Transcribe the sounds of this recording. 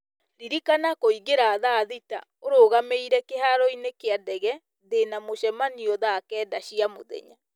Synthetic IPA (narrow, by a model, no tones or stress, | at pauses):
ɾiɾikanakoiɣeɾaːðaðita̰oɾoːɣameiɾɛkehaɾɔinekeadɛɣɛ | ðenamoɕɛmaniɔðaːkɛːdaɕiamo̰ðɛ̰ɲa̰